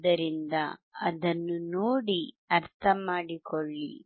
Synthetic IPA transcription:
d̪ɐɾind̪ɐɐ̰d̪ɐnːunoːɽi | ɐɾt̪ʰɐmaːɽikoɭːḭ

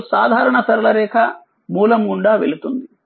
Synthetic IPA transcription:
saːd̪ʱaːɾɐɳɐsɐɾɐlɐɾɛːkʰɐ | muːlɐmɡuɳɖaːʋelut̪und̪i

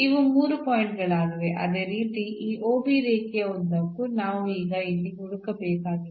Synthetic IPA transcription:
iʋumuːɾupoːjiɳʈɡɐɭaːɡ̪ɐʋeʔɐ̰d̪e̞ːɾiːt̪iʔiːʔoːbiɾiːkɛjɐond̪ɐkːunaːʋuiːɡɐilːiɡuɽukɐbɛːkaːɡi

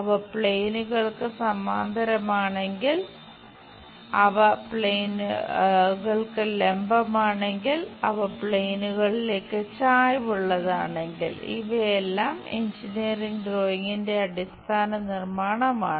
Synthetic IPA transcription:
ɐʋɐpɭejnuɣɐɭkɨsɐmaːnd̪ʱɐɾɐmaːɳe̞ŋɡil | ɐʋɐpɭejn | ɣɐɭkɨlembɐmaːɳe̞ŋɡilɐʋɐpɭe̞jnuɣɐɭile̞ːkːɨt͡ɕaːjʋuɭːɐðaːɳe̞ŋɡḭlḭʋɐjelːaːmḛɲd͡ʑiniriŋɡɖroːjiŋːinde̞ɐɽist̪ʰaːnɐnirmaːɳɐmaːɳ

